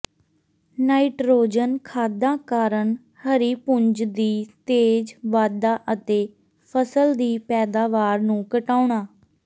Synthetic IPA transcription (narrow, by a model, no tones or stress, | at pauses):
naːiʈɾoːd͡ʒənkʰaːd̪ãːkaːɾəɳ | həɾiːpʊɲd͡ʒd̪iːt̪eːd͡ʒʋaːd̪aːʔət̪eː | pʰəsəld̪iːpɛːd̪aːʋaːɾnũːkəʈaːʊɳaː